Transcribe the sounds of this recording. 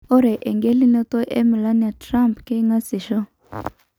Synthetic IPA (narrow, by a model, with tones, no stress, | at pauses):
ɔ˦ɾɛ˨ʔe˨ŋɡe˦li˦ne˦to˦ʔḛ˦mi˨la˦n˨ja˨tɾa˦mpke˦ŋa˦si˨ʃɔ˦